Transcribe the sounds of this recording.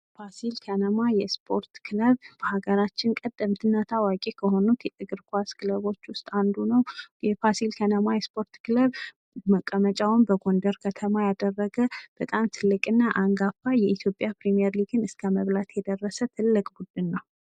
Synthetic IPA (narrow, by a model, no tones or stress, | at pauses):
fasilkʰənəmajɛspʰo̞ɾt̪kʰɨləβb̥əhaɡəɾat͡ʃːɪnkʼəd̪ːəmt̪ʰɨnːat̪ʰawakʼe̞kʰəɦo̞nut̪jɛt̪ʼɨɡɨɾkʰaskɨləβo̞t͡ʃːwʊst̪ʼand̪unəwjɛfasilkʰənəmajɛspʰo̞ɾt̪kʰɨləβ | məkʼːəmət͡ʃʼawnbəɡo̞nd̪əɾkʰət̪ʰəmajad̪ərːəɡəb̥ət̪ʼamt̪ʰɨlːɨkʼɨnːaʔaŋɡafːajɛʔit̪ʰjopʼjapɾimijɛɾliɡɨnɨskʰəməβlat̪ʰjɛd̪ərːəsət̪ʰɨlːɨkʼbud̪ɨnːəw